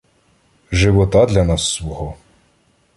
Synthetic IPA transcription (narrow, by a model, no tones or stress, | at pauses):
ʒɪʋɔt̪ɑd̪lʲɐnɑsːʋɔɦɔ